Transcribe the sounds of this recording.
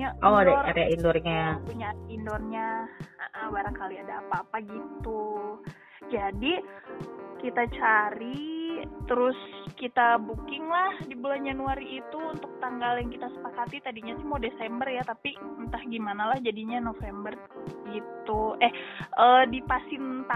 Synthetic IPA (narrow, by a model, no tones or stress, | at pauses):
aoadaɔraɾeaʔindɔrɲapuɲaindɔrɲaaʔahbaɾaŋkaliadaːpaːpaɡit̪u | d͡ʒadi | kit̪at͡ʃaɾit̪əɾʊskit̪abukɪŋlahdibuland͡ʒanuaɾiːt̪uːnt̪ʊk̚t̪aŋɡaljaŋkit̪asə̥pakat̪it̪adiɲasɪhmadesɛmbərjat̪apiənt̪ahɡimanalahd͡ʒadiɲanofɛmbər | ɡit̪uʔɛhʔədipasɪnt̪a